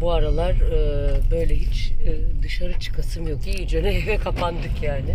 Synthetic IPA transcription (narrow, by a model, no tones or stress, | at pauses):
buaɾalˠaɾɯbø̞jlʲɛɦit͡ʃːd̪ɯʃaɾɯt͡ʃʰɯ̥kʰasɯmjokijyd͡ʒønɛɦevɛkʰapʰand̪ɯkjaːnɪ